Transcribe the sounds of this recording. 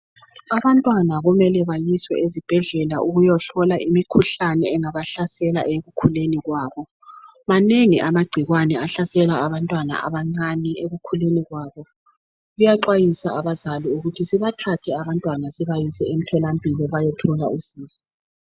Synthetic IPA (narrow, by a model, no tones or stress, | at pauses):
aβantʼwanaɣumɛlɛβajiswɛ̰ʔezib̥ʱɛɮɛlaʔuɣujɔɬɔlaʔimikʰuɬanɛːŋaβaɬasɛla̰ʔeɣukʰuleniɣwaːβɔ | maneŋiʔamaɡ͡ǀʱiɣwanɛaɬasɛlaːβantʼwana̰a̰βaŋ͡ǀanieɣukʰuleniɣwaβɔ | ɣujaǃwajisaʔaβazaliuɣutʰisiβatʰatʰɛaβantʼwanasiβajisɛem̩tʰɔlambʱilɔβajɔtʰɔla̰uziːma